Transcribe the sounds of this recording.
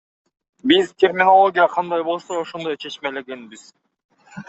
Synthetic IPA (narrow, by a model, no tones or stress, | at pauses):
bizt̪ʲe̞rmʲinolˠo̞ɡʲijɑqʰɑnd̪ɑjbo̞lˠsooʃo̞nd̪o̞jt͡ʃʰe̞t͡ʃme̞le̞ɡe̞nbiz̥